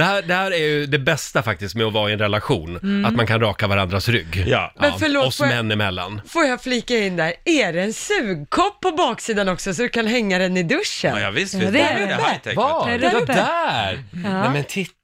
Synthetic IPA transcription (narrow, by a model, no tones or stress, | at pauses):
ɛhæːd̪ɛhæːɾæɾjɵd̪ɛbɛst̪afak̚t̪ɪskt̪mɛɔvɑːɪɛnɾɛlaɧṵːnat̪mankʰanɾɑːkavaɾand̪ɾasɾʏ̰ɡ̰ːmɛnfœɭoːɔsmɛɛnːɪmɛlːa̰nfoːɾjafliːkaɪnd̪æɾɛɾɛɛnsʉ̟ːɡ̚kʰɔpʰːɔbɑːksiːd̪anɔksɔsɔd̪ɵkʰanɦɛŋːad̪ɛnːɪd̪ɵʂə̰njɑvɪst̪ɪɛt̪ʰɛ̰k̪ | d̪æɾɛmɛnt̪ʰɪt̪